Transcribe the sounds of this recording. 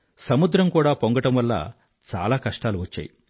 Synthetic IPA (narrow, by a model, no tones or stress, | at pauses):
sɐmud̪ɾɐmkuːɽaːpoŋɡɐʈɐmʋɐlːɐ̰ | t͡ʃa̰ːlaːkɐʂʈaːluʋɐt͡ʃːa̰ːji